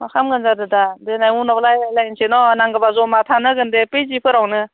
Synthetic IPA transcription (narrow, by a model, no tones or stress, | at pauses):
makʰamɡɯnzadɯdadɯnajmunablajlajnsenɔnaŋɡabazɔmat̪ʰanɯɡɯndepejzipʰɯɾawnɯ